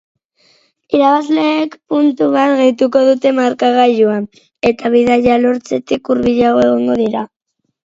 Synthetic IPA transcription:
iɾaβazle̞ːkpunt̪uβat̪ɣejt̪uko̞ð̞ut̪e̞maɾkaɣ̞aʎuan | e̞t̪aβ̞iðaʝalo̞ɾt͡se̞t̪ikuɾβiʎaɣ̞o̞e̞ɣ̞oŋɡo̞ðiɾa

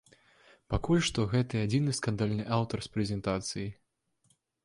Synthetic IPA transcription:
pakulʲʂt̪ɔɣɛt̪ɨad͡zʲinɨskand̪alʲnɨʔawt̪ɐrspɾʲɛzʲɛnt̪at̪sɨji

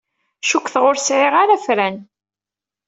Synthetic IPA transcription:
ʃukʷθʁʊɾsʕɪʁaɾafɾæn

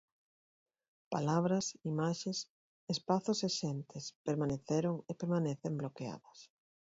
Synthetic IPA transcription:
palaβ̞ɾɐsimaʃes | espaθʊseʃɛnt̪ɪspeɾmaneθeɾoŋepeɾmaneθemblokea̰ðɐs

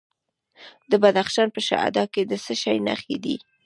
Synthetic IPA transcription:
d̪əbad̪axʃɑnpəʃa̰ha̰d̪ɑked̪əsəʃajna̰xḛd̪ḭ

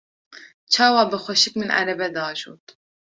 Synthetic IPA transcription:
t͡ʃʰɑːwɑːbɨxʷɛʃɪkmɨnʔæ̰ɾɛbɛd̪ɑːʒo̰ːt̪

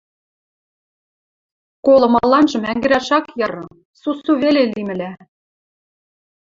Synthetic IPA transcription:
kolˠɤ̆mɑlˠɑnʒɤ̆mæŋɡɘ̆ɾæʃɑkjɤ̆ɾɤ̆ | susuβelelimɘ̆læ

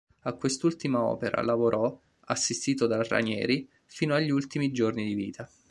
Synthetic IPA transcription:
akːwest̪ult̪imaɔ̰ːpeɾa̰lavoɾʔɔ | asːist̪iːt̪od̪ara̰nɛ̰ːɾi | fiːnoaʎːiult̪imid͡ʒornid̪iviːt̪ʰa

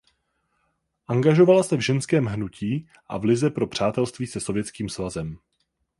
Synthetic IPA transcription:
ʔaŋɡaʒo̞valasɛvʒɛnskɛːmɦnucʰiː | ʔa̰vlɪzɛpɾo̞pr̝̥aːt̪ɛlst̪viːsɛso̞vjɛt͡skiːmsvazɛm

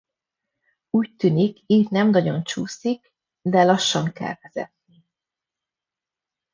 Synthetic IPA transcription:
uːc̚t̪ynikiːt̪nɛmnɒɟo̞nt͡ʃuːsik | d̪ɛlɒʃːɒŋkɛ̰lvɛzɛ̰t̪̚ni

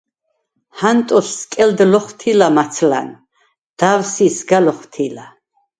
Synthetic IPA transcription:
hant̪ʼɔsːkʼɛld̪lɔχt̪ʰilamat̪sʰla̰n | d̪̥avsisɡalɔχt̪ʰila

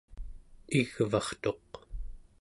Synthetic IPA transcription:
iɣvɑχt̪o̞q

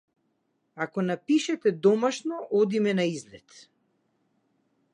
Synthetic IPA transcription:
akɔnapiʃɛt̪ɛd̪ɔmaʃnɔʔɔd̪imɛnaizlɛt̪

